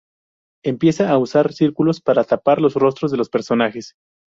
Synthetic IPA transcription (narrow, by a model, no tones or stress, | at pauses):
e̞mpje̞saːusaɾsiɾkulo̞spaɾat̪apaɾlo̞sro̞s̬t̪ɾo̞zðelo̞spe̞ɾso̞naxe̞s